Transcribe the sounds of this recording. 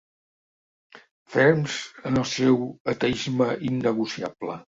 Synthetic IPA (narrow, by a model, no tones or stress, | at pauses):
fɛɾmzənəlˠsɛwət̪əizməʔinːəɣusia̰b̥lə̰